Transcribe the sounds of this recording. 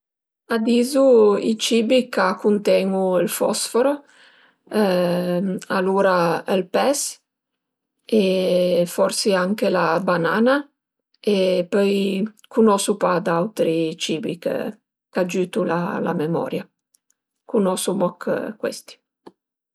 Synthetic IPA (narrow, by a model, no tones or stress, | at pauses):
ad̪iːzuḭt͡ʃiːbikakːunt̪ɛːŋuilfɔ̰sfoɾo | ɛ | aluːɾaɛlpɛs | efɔɾsiaŋkelabanaːna | epɔj | kunɔsupad̪awt̪ɾit͡ʃiːbikḛ | kad͡ʒyːt̪ula̰la̰memɔ̰ːɾja | kunɔsumɔkʰkwḛst̪i̥